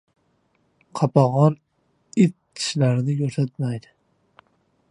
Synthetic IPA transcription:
qʰɑpʰɑʁɑn | ɪt̪̚ʰ | i̥ʃlæɾɪnɪjoɾt̪ʰat̪majd̪ɪ

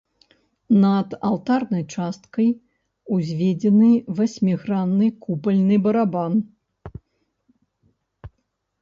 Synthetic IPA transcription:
nɐd̪a̰lˠt̪arnɐjt͡ʂast̪kɐj | uzʲvʲed͡zʲɛnɨvɐsʲmʲiɣɾanːɨkupɐlʲnɨbɐɾaban

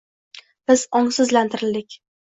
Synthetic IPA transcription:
b̥ɪzɒŋsɪzlant̪ʰɪɾɪld̪ɪkʲ

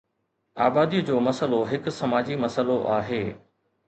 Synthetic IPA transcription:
aːbaːd̪id͡ʑoːmɐsəloɦɪkʊsɐmaːd͡ʑimɐsəloʔaːɦeː

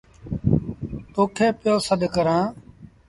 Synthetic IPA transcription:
t̪oːkʰeːpɪjoːsəd̪ʱkəɾãː

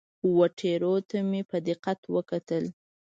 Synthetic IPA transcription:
waʈʰeɾot̪amepəd̪ɪqat̪wəkat̪əl

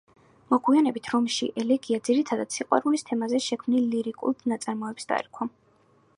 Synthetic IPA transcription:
mɔɡwianɛbit̪ʰɾɔmʃḭʔɛlɛɡiad̪ziɾit̪ʰad̪at̪siqʼwa̰ɾulist̪ʰɛmazɛʃɛkʰmnilːiɾikʼṵlˠd̪nat̪sʼaɾmɔɛbsd̪a̰ɾikʰa

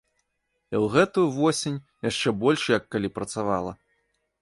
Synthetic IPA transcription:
iwɣɛt̪ujuvɔsʲinʲ | jaʂt͡ʂɛbɔlʲʂjɐkːalʲipɾɐt̪sava̰lˠɐ̰

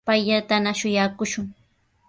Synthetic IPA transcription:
pajʎat̪anaʃʊjakʊʃʊŋ

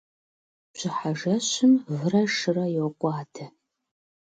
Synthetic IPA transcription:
bɕɪħaʒɐɕɪmvɨrɐʂɨrɐjɪwqʷʼɑːtʰɐ

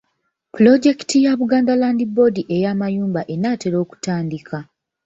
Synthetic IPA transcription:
pulo̞ɟe̞ki̥tijaβuɡaːndalaːndibo̞diʔe̞jaːmajuːmbaʔe̞naːte̞ɾo̞ːku̥taːndikʰa

